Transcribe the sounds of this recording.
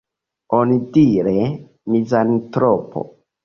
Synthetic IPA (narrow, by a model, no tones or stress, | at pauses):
onidiɾe | mizantɾopo̰